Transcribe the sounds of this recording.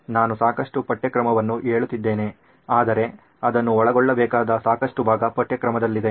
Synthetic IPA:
naːnusaːkɐʂʈupɐʈːɐkɾɐmɐʋɐnːuʔeːɭut̪ːid̪ːe̞ːne̞ | aːd̪ɐɾe̞ | ɐd̪ɐnːuɔɭɐɡɔɭːɐbɛːkaːd̪ɐsaːkɐʂʈubʱaːɡɐpɐʈjɐkɾɐmɐd̪ɐlːid̪e̞

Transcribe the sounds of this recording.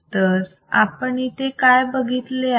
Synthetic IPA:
t̪əɾ | a̰pəɳit̪ekajbəɡʱit̪le

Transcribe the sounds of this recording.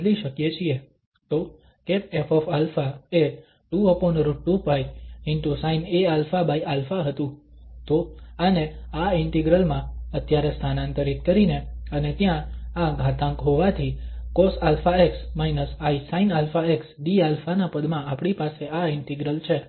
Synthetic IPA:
liʃəkjet͡ʃʰie | t̪o | kepefofalfae | ʈuəponɾuʈːupaiɪɳʈusainealfabaialfaɦət̪ũ | t̪oaneaɪɳʈiɡɾəlmãət̪jaɾest̪ʰanãnt̪əɾit̪̚kəɾineənet̪jãaɡʱat̪ãŋkɦɔʋat̪ʰikɔsalfaeksmainəsaisainalfaeksɖialfanapəd̪mãːpɽipaseaɪɳʈiɡɾəlt͡ʃʰe

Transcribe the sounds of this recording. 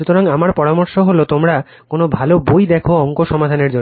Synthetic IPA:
ut̪oɾaŋamaɾpɔɾamoɾʃoɦolot̪omɾa | konobʱalobojd̪ɛkʰoɔŋkoʃɔmad̪ʱaneɾd͡ʑo

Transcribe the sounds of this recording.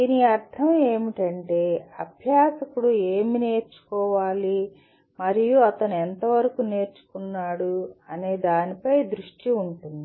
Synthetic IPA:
d̪iniɐɾt̪ʰɐme̞ːmiʈɐɳʈe̞ːɐbʱjaːsɐkuɽue̞ːmine̞ːɾt͡ʃu̥kɔːʋaːli | mɐɾijuɐt̪ɐnuɛnt̪ɐʋɐɾɐkune̞ːɾt͡ʃu̥kunːaːɽuɐneːd̪aːnipɐjd̪ɾuʂʈiuɳʈund̪i

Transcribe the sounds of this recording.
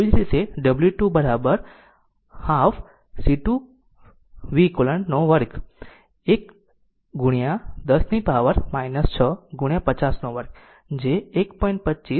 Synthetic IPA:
id͡ʒɾit̪eɖəbljuʈubəɾabəɾ | hafʰ | siʈu | ʋikoləɳnoʋəɾk | ek | ɡuɽijãd̪əsnipaʋəɾmainəst͡ʃʰəɡuɳjãpət͡ʃasnoʋəɾk | d͡ʒeːkpɔiɳʈ̚pətːt͡ʃis

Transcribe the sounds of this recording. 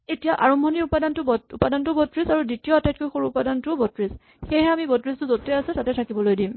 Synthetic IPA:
etijaʔaɹɔmbʱɔniɹupadantʊbupadantʊbɔtɹisaɹuditijɔatajt̚kojxoɹuːpadantʊbɔtɹis | xejɦɛamibɔtɹistʊzotɛasɛtatɛtʰakibɔlojdim

